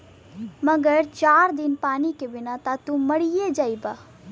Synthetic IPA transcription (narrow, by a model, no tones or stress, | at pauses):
mɐɡəɾt͡ʃaːɾd̪ɪnpaːnikebɪnat̪at̪umɐɽijed͡ʒaːiba